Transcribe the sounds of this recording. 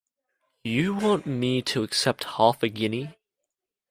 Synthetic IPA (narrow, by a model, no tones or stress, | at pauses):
jɨwɑ̃nmitʰəːksɛp̚t̚hɑfɨɡɪni